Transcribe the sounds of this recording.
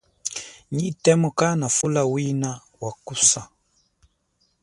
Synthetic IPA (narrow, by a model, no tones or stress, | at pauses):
ɲitɛmɔkanafulawina | wakusa